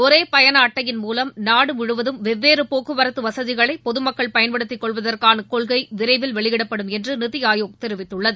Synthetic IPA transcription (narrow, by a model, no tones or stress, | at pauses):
ɔɾeːpɐjɐnaːʈːɐjɪnmuːlɐmnaːɽɯmɪɻɯʋɐðɯmʋɛʋːeːɾɯpoːkːɯʋɐɾɐt̪ːɯʋɐsɐðɪɣɐɭɐɪpɔðɯmɐkːɐɭpɐjɐnpɐɽɯt̪ːɪkːɔɭʋɐðɐrkaːnɐkɔɭɣɐɪʋɪɾɐɪʋɪlʋɛɭɪjɪɽɐpːɐɽɯmɛndrɯnɪðɪjaːjoːɣt̪ɛɾɪʋɪt̪ːɯɭːɐðɯ